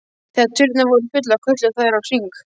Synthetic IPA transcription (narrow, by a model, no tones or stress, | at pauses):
θɛt̪ʰʏɾt̪navɔɾʏfʏt̪̬lakʰvœt̪lɪθaðɾawsiŋk